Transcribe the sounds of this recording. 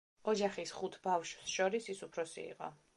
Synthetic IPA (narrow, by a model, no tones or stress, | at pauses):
ɔd͡ʒaχisχut̪ʰbafʃsʃɔɾisisupʰɾɔsḭḭqʼɔ̰